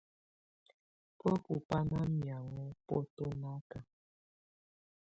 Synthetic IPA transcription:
pə˦ku˨pa˦na˦mja˨wɔ˦pɔ˦to˦na˦ka˨

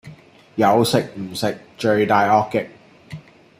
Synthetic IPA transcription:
jɐ˨˧wsɪ˨k̚m̩˨˩sɪ˨k̚t͡ʃɵ˧ɥt̪aː˨˧jɔː˧kːɪ˨k̚

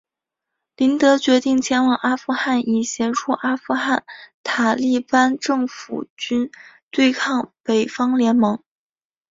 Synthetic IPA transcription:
li˧˥nt̪ɤ˧˥t͡ɕɥɛ˧˥t̪i˥˩ŋt͡ɕʰjɛ˧˥nwɑ˨˩ŋʔa˥fu˥xa˥˩ni˨˩ɕjɛ˧˥nʈ͡ʂʰu˥˧ʔa˥fu˥˧xa˥˩nt̪ʰa˨˩li˥˩pa˥nʈ͡ʂɤ˥˩ŋfṵ˨˩t͡ɕy˥nt̪we˥˧ɪkʰɑ˥˩ŋpe˨˩ɪfɑ˥ŋljɛ˧˥nmɤ˧˥ŋ

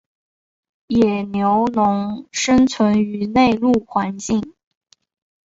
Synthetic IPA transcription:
jɛ˨˩njo˧˥ʊnʊ˧˥ŋʂə˥nt͡sʰwə˧˥ny˧˥ne˥˧ɪlu˥˩xwa˧˥nt͡ɕi˥˩ŋ

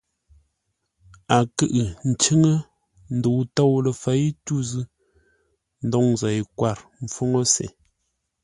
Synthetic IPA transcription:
a˨kɨ˦ʔɨ˨n̩˨t͡ʃə˦ŋə˦ | n̩˨do˨wto˦˨wlə˨fa˨˦jtu˦zɨ˦ | n̩˦dɔ˦ŋza˨jkwa˦˨ɾm̩˨fo˦ŋo˦sḛ˨

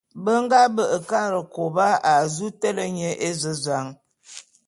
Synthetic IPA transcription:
bə˦ŋ˦ɡa˦bə˦˨ʔə˨ka˦˨ɾə˨ko˨ba˦a˨zu˦tɛ˦lə˦ɲə˦ʔe˦zə˦za˨˦ŋ

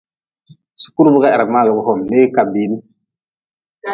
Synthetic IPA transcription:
su̥˨ku˦ɾbu˦ka˦ɛ˨ɾa˨kma˦ɡa˨bu˨ho˨mde˦ka˨bi˨˦ni˦

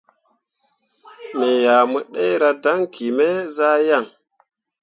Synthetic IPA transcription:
me˨ja˨mə˨ɗe˦jɾa˦da˦ŋkʰi˨me˦za˦ja˦˨ŋ

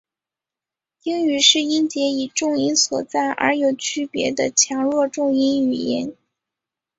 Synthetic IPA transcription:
i˥ny˨˧˥ʂɻ̩˥˩i˥nt͡ɕjɛ˧˥i˨˩ʈ͡ʂʊ˥˧ŋi˥nswɔ˨˩t͡sa˥˩ɪʔə̰˞˧˥jo˨˩ʊt͡ɕʰy˥pjɛ̰˧˥d̪ə˧t͡ɕʰjɑ˧˥ŋɻwɔ˥˧ʈ͡ʂʊ˥˧ŋi˥ny˨˩jɛ̰˧˥n

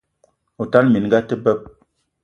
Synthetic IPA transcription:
o˨ta˦lmi˨n˨˦ɡa˦tə˦bɛ˦p̚

